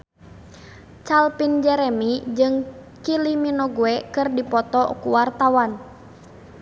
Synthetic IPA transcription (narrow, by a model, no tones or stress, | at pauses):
t͡ʃalpind͡ʒɛɾɛmid͡ʒɨŋ | kiliminɔɡuɛkɨrdipɔt̪ɔkuwart̪awan